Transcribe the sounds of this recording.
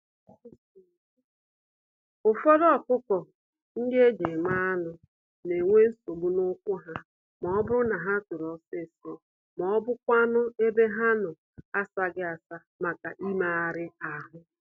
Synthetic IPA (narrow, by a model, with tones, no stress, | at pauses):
ʊ˨fɔ˦dɔ˨kʷʊ˦kɔ˨ | ŋ̩˦de˦d͡ʒe˨ma˦a˦nʊ˨ | ne˨ŋʷe˦n̩˦so˨bu˦nʊ˦kʷʊ˦ɦa˦ | mɔ˨˦bʊ˦ɾʊ˦na˨ɦa˦tʊ˨ɾɔ˨se˦˨sɔ˨ | mɔ˨ɔ˦bʊ˦kʷa˦nʊ˦e˦be˦ɦa˦nʊ˨ | a˦sa˦ɡɪ˦a˨sa˦ | ma˨ka˨ʔi˦ma˨a˨ɾɪ˦a˨ɦʊ˦